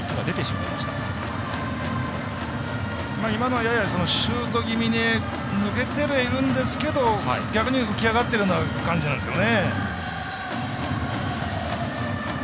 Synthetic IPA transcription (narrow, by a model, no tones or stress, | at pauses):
noad̪e̞t̪e̞ɕima̰ima̰ɕi̥t̪ḁ̰ | maimanojajaso̞no̞ɕɨːt̪o̞ɡʲimʲine | nɯ̟ke̞t̪e̞ɾeiɾɯ̟̃nd̪e̞sɨ̥ke̞d̪o̞ha̰ḭɡʲakɯ̟ɲ̟iɸɯ̟kʲiaɡat̪ːeɾɯonakãɲd͡ʑinand̪esjo̞ne